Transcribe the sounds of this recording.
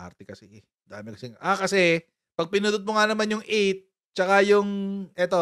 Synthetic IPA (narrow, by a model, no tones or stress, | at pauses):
a̰ɾt̪ɛkɐsɛʔɛ | d̪a̰ːmɪkɐsɛŋʔakɐsɛ | pɐɡ̚pɪnuːd̪ʊt̪̚mʊŋanɐmanjʊŋʔɛt̪̚ | t͡ʃɐkajʊŋʔɛt̪o̞